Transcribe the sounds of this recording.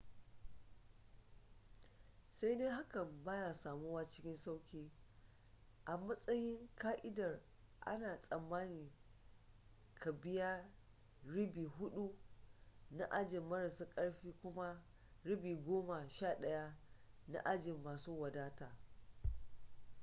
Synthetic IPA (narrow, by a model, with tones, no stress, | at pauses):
sa˦jdeː˦ɦa˦kɐ˨mbaː˦jaː˨saː˨mu˦waː˦t͡ʃɪ˦kʲɪ˦nsa˦wkʲiː˦ | ʔa˨mɐ˦sʼɐ˦jɪ˦ŋkaː˦ʔɪ˦dɐ˨r | ʔa̰˦naː˨sʼɐ˨mːaː˦niː˨ | ka˨bɪ˦ja˦ | ɽɪ˦biː˨ɦʊ˦ɗu˦ | na˦ʔa˦d͡ʒɪ˨mːɐ˦ɾa˨sa˦kʼɐ˦ɽɸiː˦kʷʊ˦ma˦ | ɽɪ˦biː˨ɡʷoː˦ma˨ʃaː˦˨ɗɐ˦ja˦ | na̰˦ʔa˦d͡ʒɪ˨mːaː˨suː˦wɐ˨daː˦taː˨